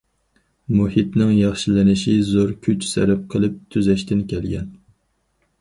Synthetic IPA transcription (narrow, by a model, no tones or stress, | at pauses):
muhit̪nɪŋjɑχʃilɪnɪʃizoɾkʲʰyt͡ʃsɛ̰ɾæp̚qʰəlˠɨp̚t̪ʰyzɛʃt̪ɪnkʲʰɛlɡʲɛ̰n